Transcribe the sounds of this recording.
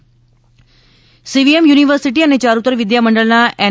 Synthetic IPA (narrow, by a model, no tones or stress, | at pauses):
siʋiemjuːniʋəɾsiʈ̬iːənːet͡ɕaːɾut̪ːəɾʋid̪jaməɳɖəɭnaɛ